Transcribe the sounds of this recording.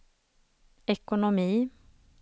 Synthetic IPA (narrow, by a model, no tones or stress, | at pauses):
ɛkʊnʊmiː